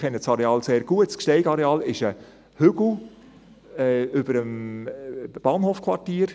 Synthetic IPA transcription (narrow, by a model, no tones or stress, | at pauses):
ɛnːəsɑɾeɑːlseːɾɡ̥uətskʃtɛɪɡɑɾeɑːlɪʃə | hʏɡ̥l̩ | ɛʏb̥əɾəm | b̥ɑːnhoːfkʰʋɑtiːɾ